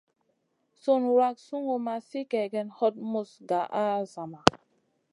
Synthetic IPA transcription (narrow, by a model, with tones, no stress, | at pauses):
su˦˨nɾa˦k̚su˦ŋo˨ma˨si˦kɛ˨ɡɛ˨nhɔ˦t̚mu˦˨sɡa˨ʔa˦za˨ma˨